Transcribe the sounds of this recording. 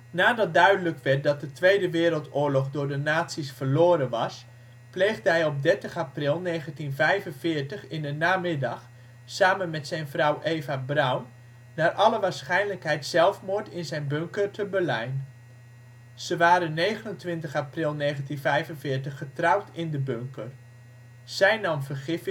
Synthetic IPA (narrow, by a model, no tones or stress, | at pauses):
naːdɑt̚dœɥdələkʋɛt̚dɑt̚dətʋejdəʋɪːɾəlˠtʊːɹlɔχdʊːɹdənaːtsisfərloːɾənʋɑs | plejɣdəɦɛjɔp̚dɛɹtəχaprɪlˠnejχəntinvɛjvənvɪːɹtəχɪndənaːmɪdɑχ | saːmənmɛtsɛjnvrʌwʔeːvabrawnː | aːrʔɑləʋaːɹsχɛjnləkɦɛjtsɛlˠfmʊtɪnzɛjnbøŋkərtʰəbəlɛjn | z̥əʋaːɾəneːɣənəntʋɪntəχaprɪlˠneːɣəntinvɛjvənvɪːɹtəχːətrawtʰɪndəbøŋkər | z̥ɛjnɑmvərχɪf